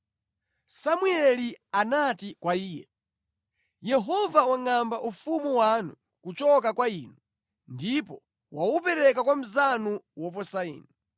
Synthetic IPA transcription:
samuɛlianatikwaiːjɛ̰ | jɛɦɔvawaŋambaʔufumuwanu | kut͡ʃɔkakwaiːnu | ndipɔ | waupɛɾɛkakwam̩zanuwɔp̬ɔsaḭːni

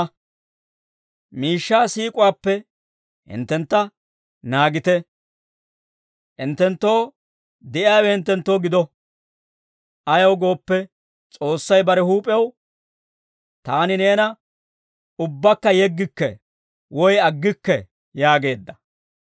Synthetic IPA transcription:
miːʃːaːsiːkʼʊwaːpːɛ | hɪ̰nt̪ːɛnt̪ːɐ | naːɡɪt̪ɛ | ʔɪnt̪ːɛnt̪ːo̞ː | d̪ɪʔɪaːwɛhɪnt̪ːɛnt̪ːo̞ːɡɪd̪ɔ | ʔɐjɐwɡo̞ːpːɛ | t͡sʼo̞ːsːɐjbɐɾɛhuːpʼɪɐw | t̪aːnɪne̞ːnɐ | ʊbːɐkːɐjɛɡːɪkːɛ̰ | wɔjɐɡːɪkːɛ | jaːɡe̞ːd̪ːɐ̥

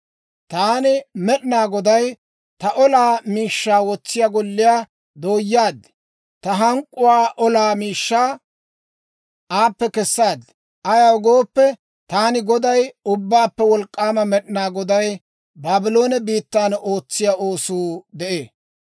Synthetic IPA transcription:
t̪aːnɪmɛɗɪnaːɡɔd̪ɐj | t̪ɐʔɔlaːmiːʃːaːwɔt͡sːɪjaɡɔlːɪjaː | d̪oːjːaːd̪ɛ | t̪ɐɦɐŋkʼːʊwaːʔɔlaːmiːʃːaː | ʔaːpːɛkɛsːaːd̪ | ʔɐjɐwɔɡo̞ːpːɛ | t̪aːnɪɡɔd̪ɐjʊbːaːpːɛwɔlkʼːaːmɐmɛɗɪnaːɡɔd̪ɐj | baːbɪlo̞ːnɛbiːt̪ːaːno̞ːt͡sːɪjaʔoːsuːd̪ɛʔeː

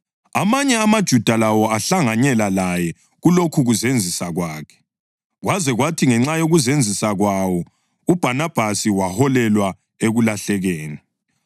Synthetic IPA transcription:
a̰maɲɛamad̥ʒ̥ʱud̥ʱalawɔaɬaŋaɲɛlalajɛ | ɣulokʰuɣuzend͡zʱisaɣwaːkʰɛ̥ | ɣwazɛɣwatʰiŋɛŋ͡ǁajoɣuzend͡zʱisaɣwawɔ | ub̥ʱanab̥ʱasiwahɔlɛlwa | eɣulaɬɛɣeːni

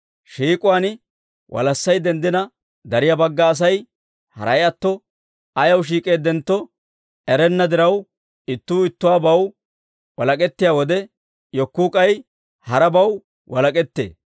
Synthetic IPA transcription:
ʃiːkʼʊwaːn | wʔɐ̰lɐsːɐjd̪ɛnd̪ɪnɐ | d̪ɐɾɪjabɐɡːɐːs̬ɐj | hɐ̰ɾɐjɐt̪ːɔ | ɐjɐwʃ̬iːkʼe̞ːd̪ɛnt̪ːɔ | ɛɾɛnːɐd̪ɪɾɐw | ɪt̪ːuːɪt̪ːʊwaːbɐw | wɐlɐkʼɛt̪ːɪjaːwɔd̪ɛ | jɔkːuːkʼɐj | hɐɾɐbɐw | wɐlɐkʼɛt̪ːḛː

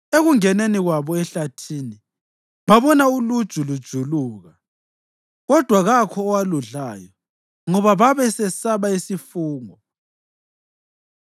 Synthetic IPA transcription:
eɣuŋɛneniɣwaβɔɛɬatʰiːni | βaβɔnaulud̥ʒ̥ʱulud̥ʒ̥ʱuluːɣa | ɣɔd̥ʱwaɣakʰɔːwaluɮaːjɔ | ŋɔβaβaβɛsɛsaβaisifuːŋɔ

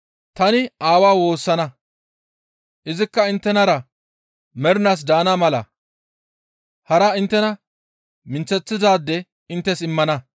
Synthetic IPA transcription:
t̪ɐnɪaːwaːwo̞ːsːɐnɐ | ʔɪzɪkːɐɪnt̪ːɛnɐɾɐ | mɛɾɪnas̬d̪aːnamɐlɐ | hɐɾɐɪnt̪ːɛnɐ | mɪnt͡sːɛt͡sːɪd̪aːd̪ːɛ | ɪnt̪ːɛsɪmːɐnɐ

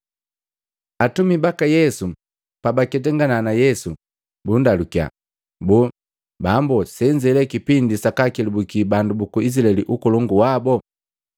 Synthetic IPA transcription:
atumibakajɛsu | pabakɛtɛŋɡananajɛsu | bundalukia̰ | bu | bambɔsɛɲd͡ʒɛlɛkipindisakakilubukibandubukuis̬laɛliʔukɔlɔŋɡuwabɔ

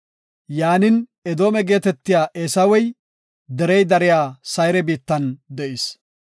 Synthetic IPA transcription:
jaːnɪnɛd̪o̞ːmɛɡe̞ːt̪ɛt̪ːɪjaːʔeːsɐwɛj | d̪ɛɾɛjd̪ɐɾɪjaːsɐjɾɛbiːt̪ːɐnd̪ɛʔɪs

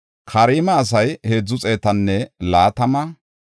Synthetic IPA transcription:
kʰɐɾiːmɐːs̬ɐjhe̞ːd͡zːʊt͡sʼe̞ːt̪ɐnːɛlaːt̪ɐmɐ

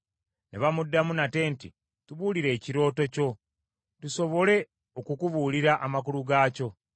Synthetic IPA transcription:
ne̞̰βamudːamunate̞ntḭ | tuβuliɾe̞ːciɾo̞ːto̞co̞ | tuso̞βo̞le̞ | okukuβuːliɾaʔamak̬uluɡaːco̞

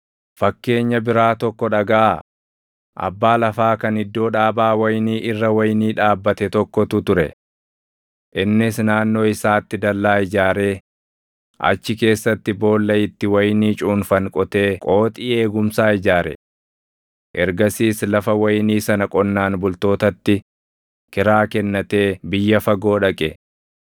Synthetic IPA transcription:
fɐkːe̞ːɲːɐbɪɾaːt̪ɔkːɔᶑɐɡɐʔa | ʔɐ̰bːaːlɐfaːkɐnɪd̪ːo̞ːᶑaːbaːwɐjniːʔɪrːɐwɐjniːᶑaːbːɐt̪ɛt̪ɔkːɔt̪ʊt̪ʊɾɛ̰ | ʔɪnːɪsnaːnːo̞ːɪsaːt̪ːɪd̪ɐlːaːɪd͡ʒaːɾe̞ː | ʔɐ̰t͡ʃːɪke̞ːsːɐt̪ːɪbo̞ːlːɐɪt̪ːɪwɐjniːt͡ʃʼuːnfɐŋkʼɔt̪e̞ːkʼo̞ːt̪ʼiːe̞ːɡʊmsaːɪd͡ʒaːɾɛ̰ | ʔɛɾɡɐsiːslɐfɐwɐjniːsɐnɐkʼɔnːaːnbʊlt̪o̞ːt̪ɐt̪ːɪ | kɪɾaːkɛnːɐt̪e̞ːbɪjːɐfɐɡo̞ːᶑɐkʼɛ

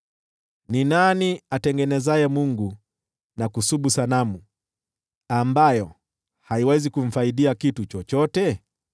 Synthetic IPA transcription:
ninaniatɛŋɡɛnɛzajɛmuŋɡu | nakusuɓusanamu | ambajɔ | haiwɛzikuɱ̩faiɗiakitut͡ʃɔt͡ʃɔtɛ

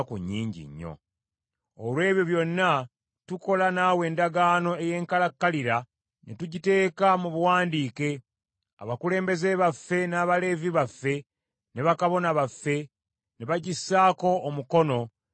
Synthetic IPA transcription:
kṵɲːiːɲɟḭɲːo̞̰ | olwe̞ːβjo̞βjo̞nːa | tuko̞lanaːwe̞ːndaɡaːno̞e̞je̞ːŋkalakːaliɾa | netuɟite̞ːkamuβuwaːndiːke̞ | a̰βakule̞ːmbe̞ze̞βafːe̞naːβale̞viβafːe̞ | ne̞βakaβo̞naβafːe̞ | neβaɟisːaːko̞ːmuko̞no̞

